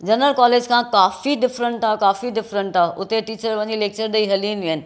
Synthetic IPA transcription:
d͡ʑɐnəlkɔːleːd͡ʑkʰãːkaːfiɖɪfɾə̃ɳʈaːkaːfiɖɪfɾə̃ɳʈaːʔʊt̪eʈiːt͡ɕəɾʋɐ̃ɲileːk̚t͡ɕəɾd̪ɐiɦɐlĩːnd̪iːnɪ̆

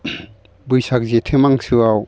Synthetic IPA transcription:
bujsak̚zetʰemaŋsɯaw

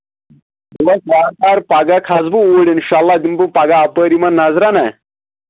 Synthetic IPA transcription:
ʋɐkaːɾaːɾpaɡakʰazbuoːɽinʃalːad̪imbupaɡaːpəɾimanːazɾana

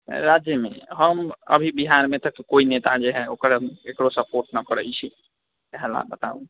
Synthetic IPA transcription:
ɾaːd͡ʒjəmḛ̃ɦəmə̰bʱibiɦaːɾmẽt̪əkːoːineːt̪ad͡ʒeɦɛoːkəɾekɽosəpoːɾʈnəkəɾəit͡ʃʰi | kɛɦɛla̰bət̪a̰ːṵ̃

